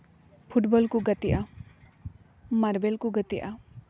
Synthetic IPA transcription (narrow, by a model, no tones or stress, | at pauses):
pʰuʈbɔlkuɡət̪iʔa | maɾbelkuɡət̪iʔa